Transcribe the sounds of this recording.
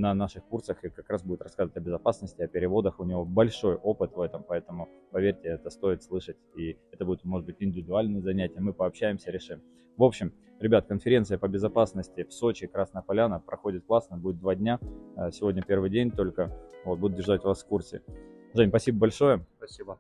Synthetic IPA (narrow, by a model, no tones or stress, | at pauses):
nɐnaʂɨxkursəxɨkɐkɾasbudʲɪt̪rɐskazvʋətʲəbʲɪzɐpasnəsʲtʲɪɐpʲɪɾʲɪvo̞d̪əxʊnʲɪvo̞bɐlʲʂo̞jʔo̞pɨt̪vɛt̪əmpɐɛt̪əmʊpɐvʲeɾʲtʲɪɛt̪əst̪o̞ɪt̪slˠɨʂətʲiɛt̪əbudʲɪt̪mo̞ʐɨd̪bɨtʲɪnʲdʲɪvʲɪd̪ʊalʲnɨjəzɐnʲætʲɪjəmɨpɐːpɕːæjɪmsʲəɾʲɪʂɨm | vo̞pɕːɪm | ɾʲɪbʲat̪əkənfʲɪɾʲe̞nt̪sɨjəpəbʲɪzɐpasnəsʲtʲɪfso̞t͡ɕɪkɾasnəpɐlʲanəpɾɐxo̞dʲɪt̪klˠasnəbudʲɪt̪d̪vadʲnʲaəsʲɪvo̞dʲnʲəpʲe̞rvɨjdʲenʲt̪o̞lʲkəvo̞t̪̚bud̪ʊt̪̚dʲɪrʐatʲʊvasfkursʲɪ̰ʐɛnʲpɐsʲibəbɐlʲʂo̞jəɐsʲb